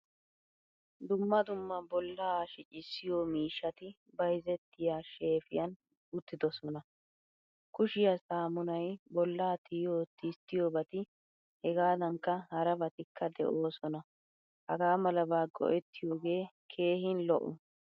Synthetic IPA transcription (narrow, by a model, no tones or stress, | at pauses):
d̪ʊmːɐd̪ʊmːɐbɔlːaːʃɪt͡ʃʼɪsːɪjoːmiːʃːɐt̪ɪ | bɐjzɛt̪ːɪjaːʃe̞ːfɪjɐn | ʊt̪ːɪd̪ɔsɔnɐ | kʊʃɪjɐsaːmʊnɐjbɔlːaːt̪ʰɪjoːt̪ɪst̪ːɪjoːbɐt̪ɪ | hɛɡaːd̪ɐŋkːɐhɐɾɐbɐt̪ɪkʰːɐd̪ɛ̰ʔo̞ːsɔnɐ | hɐɡaːmɐlɐbaːɡɔ̰ʔɛt̪ːɪjoːɡe̞ː | kʰe̞ːɦɪnlɔʔʊ̰